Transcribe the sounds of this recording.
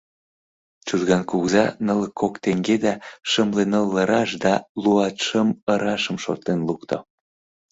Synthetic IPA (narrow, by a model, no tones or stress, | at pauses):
t͡ʃulɣɑnkuɣzɑnələkːokt̪eŋɡed̪ɑʃəmlenəlːəɾɑʃd̪ɑluɑt̪ʃəməɾɑʃəmʃo̰t̪enlukt̪o̰